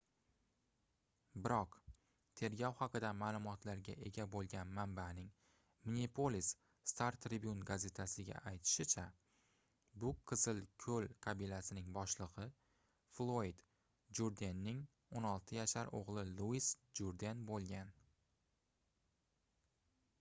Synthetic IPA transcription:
bɪɾɒq | t̪ʰe̞ɾɡʲɒwhɑqɨd̪amaːlˠʊmɒt̪ʰlaɾɡʲaʔe̞ɡʲabolˠɡʲanmambanɪŋ | mɪnʲipʰolʲisː | t̪aɾt̪ʰːɾɪbʲjunɡaze̞t̪ʰasɪɡʲa̰ʔajt̪ʰɪ̥ʃɪt͡ʃʰa | bʊqʰɨzɪlˠkʲʰɵlqʰɑbɪlasɪnɪŋbɒʃlˠɨʁɨ | flˠojd̪ | d͡ʒuɾd̪enːɪŋ | onɒlˠt̪ʰɪjaʃaɾo̰ʁlˠɪlˠuisd͡ʒuɾd̪enbolˠɡʲan

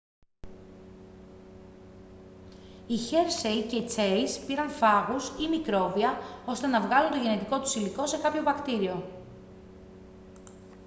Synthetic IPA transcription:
içe̞ɾsejce̞it͡se̞ispiɾɐnfɐɣusimikɾo̞viɐo̞st̪e̞nɐvɣɐlunt̪o̞ʝe̞ne̞t̪iko̞t̪u̥siliko̞se̞kɐpço̞vɐkt̪iɾio̞

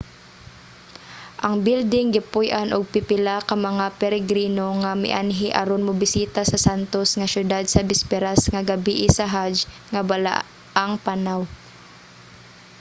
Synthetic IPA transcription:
ʔaŋbɪld̪ɪŋɡɪpʊjʔanʔʊɡ̚pɪpɪlakamɐŋapɛɾɛɡɾiːnoŋamɪ̰ʔanɦɪʔaɾonmʊbɪsiːt̪asɐsant̪osŋasjʊd̪ad̪̚sɐbɪspɛɾasŋaɡabiʔɪsaɦad͡ʒ | ŋabala̰ | ʔaŋpanaw

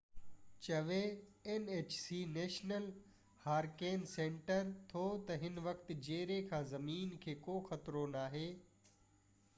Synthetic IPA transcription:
t͡ɕɐʋeeneːt͡ɕsiːneːʃnəl | haːɾkeːnsẽːɳʈəɾt̪ʰot̪ɐɦɪnʋɐkt̪ɪ̆d͡ʑeːɾekʰãːzɐmiːnkʰeːkoːxɐt̪ɾonaːɦeː

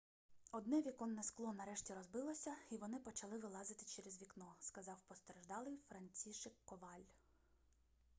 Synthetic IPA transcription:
ɔd̪nɛʋʲikɔnːɛsklˠɔnɐɾɛʃtʲiɾɔzbɪlˠɔsʲɐiʋɔnɪpɔt͡ʃɐlˠɪʋɪlˠɑzɪt̪ɪ̥t͡ʃɛɾɛzʋʲiknɔskɐzɑwpɔst̪eɾeʒd̪ɑlˠɪjfɾɐnʲt͡sʲiʃɪkːɔʋɑlʲ

